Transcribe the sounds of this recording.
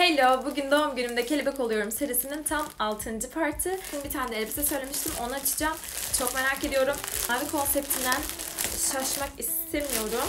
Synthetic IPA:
helʲobuɟynd̪omɟynymd̪ɛcʰe̞lʲibɛko̞lˠujo̞ɾumseɾisinint̪ʰamalˠt̪ʰɯnd͡ʒɯpʰaɾt̪ʰɯbinbit̪ʰaːnd̪elʲbisisø̞jlʲe̞miʃt̪ʰimo̞naːt͡ʃʰɯ̥d͡ʒaːm | t͡ʃʰo̞kme̞ɾaːce̞d̪ijo̞ɾumhabikʰo̞nsɛp̚t̪ʰind̪ænʃaʃmakist̪ʰemijo̞ɾum

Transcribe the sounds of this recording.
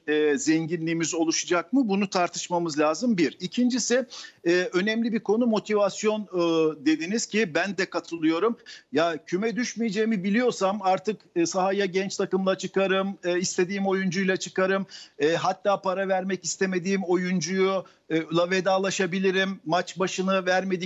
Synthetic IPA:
ɛːzɛɲɟinlʲiːmizo̞lˠuʃad͡ʒak̚mɯbunut̪ʰaɾt̪ʰɯ̥ʃmamɯzlʲaːzɯmbiɾicʰind͡ʒisɪɛːø̞nɛmlʲibiɾkʰo̞numo̞t̪ʰivasjo̞nːd̪e̞d̪iniz̥cʰibænd̪ɛkat̪ʰɯlˠɯjo̞ɾumjacʰymɛd̪yʃmijed͡ʒejimibilʲijo̞ɾsamaɾt̪ʰɯkːsaɦajaɟɛnt͡ʃt̪ʰakɯmlˠat͡ʃʰɯkaɾɯmːist̪ʰe̞d̪iːmo̞jund͡ʒujlˠat͡ʃʰɯkaɾɯmɛːɦat̪ːaːpʰaɾavæɾmɛcist̪ʰeme̞d̪iːmo̞jund͡ʒuju | lˠaved̪aːlˠaʃabilʲiɾimːat͡ʃbaʃɯnɯvæɾme̞d̪i

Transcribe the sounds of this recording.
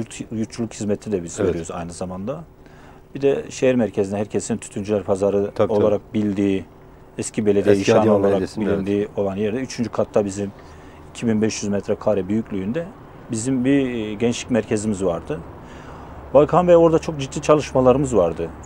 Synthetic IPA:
ɾjuɾt̪̚t͡ʃulˠukhizmɛt̪ʰid̪ɛbizveɾijoɾuzajnɯzamand̪a | bid̪ɛʃejæɾmæɾcʰezinɛɦæɾcʰesnt̪ʰy̥t̪ʰynd͡ʒylʲæɾpʰazaɾɯo̞lˠaɾak̚bilʲd̪iː | ɛscʰibelʲed̪ijɛjiʃaːno̞lˠaɾakbilʲind̪iːo̞lˠanjæɾd̪ɛyt͡ʃʰynd͡ʒykʰat̪ʰːabizim | icʰibinbɛʃjyzmɛt̪ʰɾɛkʰaːɾɛbyjyclʲyjynd̪ɛ | bizimbiɟɛnt͡ʃlʲicʲmæɾcʰezimizvaɾd̪ɯ | balˠkʰanvɛo̞ɾd̪at͡ʃʰo̞k̚d͡ʒit̪ʰːiːt͡ʃʰalˠɯʃmalˠaɾɯmɯzvaɾd̪ɯ

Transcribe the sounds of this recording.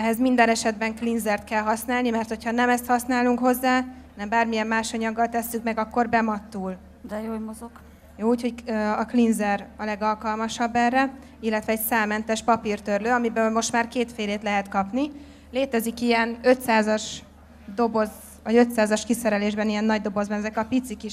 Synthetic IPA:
ɛɦɛzmind̪ɛnɛʃɛd̪bɛŋklinzɛrt̪kɛlɦɒsnaːlnimɛrt̪ho̞cʰhɒnɛmɛst̪hɒsnaːluŋkho̞zːaːnɛmbaːrmijɛmːaːʃɒɲɒɡːɒlt̪ɛsːykmɛɡɒkːo̞rbɛmɒt̪ːuːl | d̪ɛjoːmozoɡ̥ | joːuːcho̞cɒklinzɛrɒlɛɡɒlkɒlmɒʃɒbːɛrːɛ | ilːɛt̪ʋɛɛcsaːlmɛnt̪ɛʃpɒpirt̪ørløːɒmibølmo̞ʃt̪maːrkeːt̪feːleːt̪lɛɦɛt̪kɒpni | leːt̪ɛzikijɛnø̞t̪saːzɒʃ | d̪o̞bo̞z | ʋɒɟø̞t̪saːzɒʃkisɛɾɛleːʒbɛnijɛnːɒɟd̪o̞bo̞zbɒnɛzɛkɒpit̪sikiʃ

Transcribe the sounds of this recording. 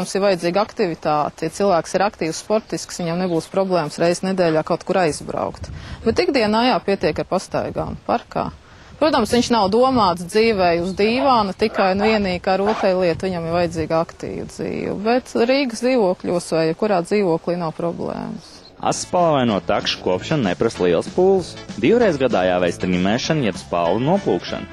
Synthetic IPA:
msivajɪd̪ziːɡakt̪ivit̪aːt̪jat̪silˠvæːksiɾakt̪iːwssːpɔɾt̪isksʋiɲamnebuːspɾɔblˠɛːmsɾɛjz̥nɛd̪ɛːʎʲaːkawt̪̚kuɾajz̥bɾa̰ʊkt̪bɛt̪iɡd̪iɛnajaːpiɛt̪iɛkaɾpast̪a̰jɡa̰ːmpa̰ɾka̰ː | pɾuɔt̪amsʋʲiɲʃnawd̪uɔmaːt̪sd̪ziːʋɛjuzd̪iːʋaːnut̪ikajnvʲiɛniːkaːɾuɔt̪ɛjlˠiɛt̪ʋiɲamivajɪd̪ziːɡakt̪ḭːvd̪zḭːʋṵbɛt̪ɾiːɡsd̪iːʋuɔkʎʲuɔsʋɛjɛkuɾaːd̪ziːʋuɔklˠiːnawpɾɔblˠɛ̰ːms | a̰sːpalˠvajnuɔt̪akʃkuɔpʃannɛpɾast̪lˠiɛlˠspuːlˠsd̪iwɾejzɡad̪aːjaːvɛjst̪ɾʲimɛːʃanjɛbspa̰ːlˠunuɔplˠuːkʃa̰n

